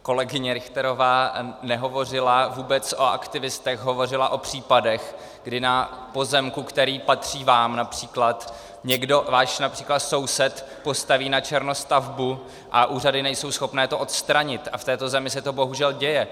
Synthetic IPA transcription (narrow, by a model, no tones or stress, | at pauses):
ko̞lɛɡɪɲɛɾɪxt̪ɛɾo̞vaːnɛɦo̞vo̞r̝ɪlavuːbɛt͡so̞ʔa̰kt̪ɪvɪst̪ɛxɦo̞vo̞rɪlaʔo̞pr̝̥iːpadɛx | ɡdɪnapo̞zɛmkukt̪ɛɾiːpat̪r̝̥iːvaːmnapr̝̥iːklat̪ | ɲɛɡdo̞vaːʃnapr̥iːklat̪so̞wsɛt̪ | po̞st̪aviːnat͡ʃɛɾno̞st̪avbu | ʔaʔuːr̝adɪnɛjso̞wsxo̞pnɛːt̪oʔot̪st̪ɾaɲɪt̪aft̪ɛːt̪o̞zɛmɪsɛt̪o̞bo̞ɦuʒɛlɟɛjɛ